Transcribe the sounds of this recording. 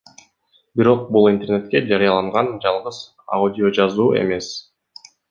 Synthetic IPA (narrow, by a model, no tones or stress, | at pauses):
biɾo̞q̚bulˠint̪e̞rne̞t̪̚ke̞d͡ʒɑɾijɑlˠɑɴʁɑnd͡ʒɑlˠʁɯz̥ | a̰udʲɪo̞d͡ʒɑzuːe̞̰me̞s